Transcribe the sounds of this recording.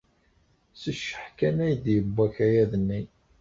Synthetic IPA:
səʃːəħkænæjd̪jəbːæçæjæðənːi

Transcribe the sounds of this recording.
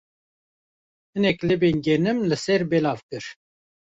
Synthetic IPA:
hɨnɛklebenɡɛnɨmlɨsɛɾbɛlɑːvkɨɾ

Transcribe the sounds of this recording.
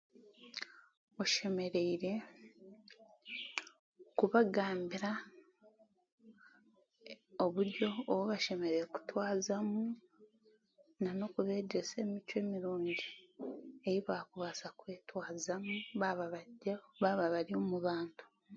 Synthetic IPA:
o̞ʃeme̞ɾe̞iɾe̞ | kuβaɡaːmbiɾa | oβuɾɟo̞ːβoβaʃe̞me̞ɾeeku̥twaːzamu | nano̞kuβe̞ːɟese̞ːmicwe̞ːmiɾuːɲɟi | e̞ɾiβaːkuβasakwe̞ːtwaːzamuaβaβaβaβaβaɾio̞muβaːntu̥

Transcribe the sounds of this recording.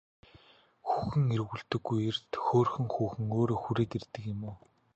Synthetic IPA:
xuxɘ̆ŋerɣuɮt̪ɵ̆ɡːujert̪xoːrxɘ̆ŋxuːxɘ̆ŋoːɾoːxuɾeːt̪ert̪ɘ̆kɪ̆mʊː

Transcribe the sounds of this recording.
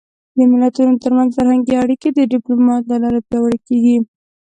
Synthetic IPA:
d̪əmɪlat̪unot̪əɾmanzfaɾhaŋɡeaɽiked̪əɖɪplomɑt̪̚lalɑɾapjɑwəɽakeɡi

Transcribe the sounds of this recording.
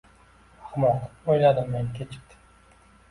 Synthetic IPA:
aχmɒɨpojlad̪ɪmːenkʲʰet͡ʃʰɪ̥p̚t̪ʰɪ̥

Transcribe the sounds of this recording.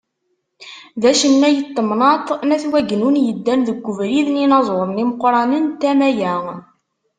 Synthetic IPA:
ðæʃənːæjət̪ːəmnɑt̪ˤnæθwæɡnunjəd̪ːænðəɡʷːʊvɾiðninɑzˤoɾˤəmniməqːɾˤɑnənt̪æmæjæ

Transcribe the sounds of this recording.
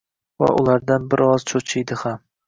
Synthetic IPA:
va̰ʔʊ̰lˠaɾd̪anbɪɾɒzt͡ʃʰot͡ʃʰɪjd̪ɪham

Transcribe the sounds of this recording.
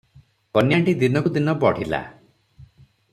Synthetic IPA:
kɔnjaɳʈid̪inɔkud̪inɔbɔɽ̤ila̰

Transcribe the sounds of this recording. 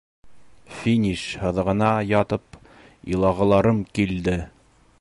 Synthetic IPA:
fʲinʲiʃhɤ̆ðʁɤ̆nɑjɑt̪ɤp | ḭlˠɑʁɤ̆lˠɑɾɤmkild̪ɘ

